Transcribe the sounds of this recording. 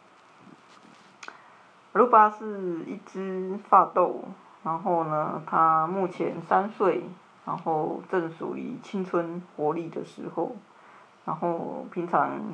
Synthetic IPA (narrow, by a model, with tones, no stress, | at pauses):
ə˧˦lu˥˩pa˥ʂɻ̩˥˧ḭ˥˩ʈ͡ʂɻ̩˥fa˥˧t̪o˥˨ʊ | na˧˦nxo˥˩ʊnə˩t̪ʰa˦mu˥˩t͡ɕʰjɛ̰˧˦nsa˦nswe˥˩ɪ | ɻa˧˦nxo˥˩ʊʈ͡ʂə˥˩ŋsṵ˨˩ḭ˨˩t͡ɕʰi˥˦ŋt͡sʰə˦nxwɔ˧˥li˥˩d̪ə˨˩ʂɻ̩˧˥xo˥˩ʊ | ɻa˧˦˥nxo˥˩ʊpʰi˧˥ŋʈ͡ʂʰɑ˧˦ŋ